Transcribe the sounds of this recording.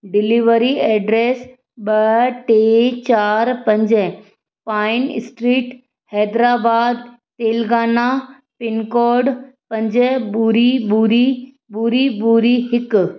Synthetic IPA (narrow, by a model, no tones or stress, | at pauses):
ɖiliʋəɾiɛːɖɾeːs | ɓəʈet͡ɕaːɾpɐ̃ɲd͡ʑɛ | paːin̰sʈɾiːʈ | hɛːd̪ɾaːbaːd̪̚ | t̪eːlɡaːna | pɪnkɔːɖ | pɐ̃ɲd͡ʑebuɾibuɾi | buɾibuɾiɦɪk